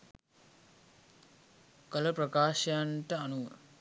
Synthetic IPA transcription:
kələpɾɐkaːʃɐjaɳʈəanu

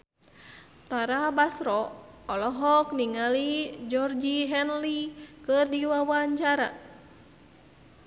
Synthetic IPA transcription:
t̪aɾabasɾɔɔlɔɦɔk̚niŋalid͡ʒɔrd͡ʒiɦɛnlikɨrdiwawaɲt͡ʃaɾa̰

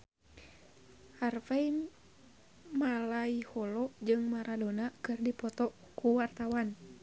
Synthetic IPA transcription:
harfɛi | malaihɔlɔd͡ʒɨŋmaɾadonakɨrdipɔt̪ɔ | kuwart̪awan

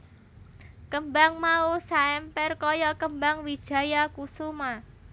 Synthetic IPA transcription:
kəmbaŋmausaɛmpɛrkɔjɔkəmbaŋwid̥ʒ̥ä̤jakusuma

